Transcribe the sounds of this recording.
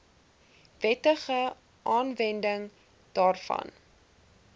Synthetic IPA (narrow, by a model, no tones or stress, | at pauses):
vɛtəχə | ʔɑːnvɛndəŋ | d̥ɑːrfɐ̰n